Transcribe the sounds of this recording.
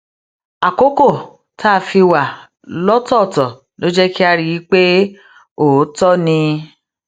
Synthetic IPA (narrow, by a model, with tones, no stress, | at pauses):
a˨ko˦ko˦˨ | tʰa˦˧˨fi˧wa˨ | lɔ˦tɔ˦˨tɔ˨ | lo˦d͡ʒɛ˦ki˦a˧ɾi˦˧ji˨˦k͡pe˦ | o˨˦tɔ˦nĩ˧